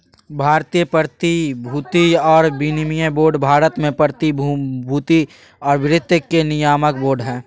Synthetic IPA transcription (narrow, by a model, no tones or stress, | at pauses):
bʱaːɾt̪ijəpəɾt̪ibʱuːt̪iɔːɾbinimijəboːɾɖbʱaːɾət̪mẽpəɾt̪ibʱuːt̪i | ɔːɾʋɪɾɪt̪ːəkːenɪjaːmək̚boːɾɖɦɛ̃ː